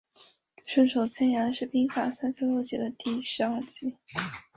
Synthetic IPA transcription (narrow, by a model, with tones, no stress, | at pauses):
ʂwə˥˩nʂo˨˩ʊt͡ɕʰjɛ˥˩nja˧˥nʂɻ̩˥˩pi˥ŋfa˨˩sa˥nt͡ɕʰɛ˥ljo˥˩ʊt͡ɕɛ̰˨˩d̪ə˦t̪i˥˩ʂɻ̩˧˥ɐ˞˥˧t͡ɕi˧˥